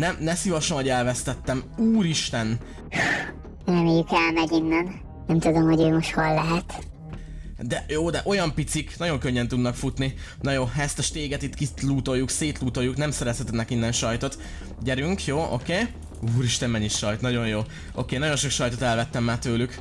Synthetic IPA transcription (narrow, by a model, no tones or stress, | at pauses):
nɛmnɛsivɒʃonoɟɛlvɛst̪ɛt̪ːɛmuːɾiʃt̪ɛn | rɛmeːjykɛlmɛɟinːɛn | nɛmt̪ud̪omhoɟøːmoʃt̪holːɛɦɛt̪ | d̪ɛjoːd̪ɛʔo̞jɒmpit̪siknɒɟo̞ŋkøɲːɛnt̪ud̪nɒkfut̪ni | nɒjoːɦɛst̪ɛʃt̪eːɡɛt̪it̪kit̪luːt̪o̞jːukseːt̪luːt̪o̞jːuknɛmsɛɾɛshɛt̪ɛnɛkinːɛnʃɒjt̪o̞t̪ | ɟɛɾyŋkjoːʔo̞̰keː | uːɾiʃt̪ɛmmɛɲiʃɒjt̪nɒɟo̞ɲjoː | o̞̰keːnɒɟo̞nʃo̞kʃɒjt̪o̞t̪ɛlvɛt̪ːɛmːaːt̪øːlyk